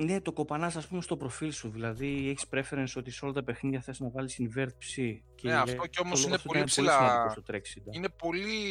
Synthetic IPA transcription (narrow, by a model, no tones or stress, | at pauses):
ne̞t̪o̞ko̞pɐnɐsɐspumest̪o̞pɾo̞filsuðilɐðieçi̥spɾe̞fe̞ɾenso̞t̪iso̞lɐt̪ɐpe̞xninʝɐθesiznɐvɐlisinve̞ɾθipsi | ceeɐft̪oceo̞mosloinneftooinessilsɐnɐost̪ot̪ɾeksid̪ine̞po̞li